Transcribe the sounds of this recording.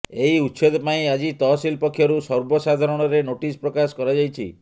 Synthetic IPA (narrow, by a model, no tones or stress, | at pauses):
eiutːsod̪ɔpaĩad͡ʒit̪ɔsilpɔkʰːjɔɾusɔɾbɔsad̪ʱaɾɔɽ̃ɔɾenoʈispɾɔkaskɔɾad͡ʒajt͡ʃʰḭ